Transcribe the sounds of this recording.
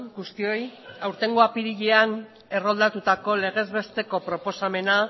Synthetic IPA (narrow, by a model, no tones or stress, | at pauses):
ɡust̪io̞jawɾt̪e̞ŋɡoapiɾiʎean | e̞ro̞ld̪at̪ut̪ako̞le̞ɣ̞e̞zβe̞st̪e̞ko̞pɾo̞po̞same̞na